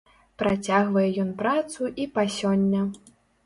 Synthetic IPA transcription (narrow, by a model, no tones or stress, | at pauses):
pɾat͡sʲaɣvɐjɛjɔnpɾat̪suʔipasʲɔnʲːɐ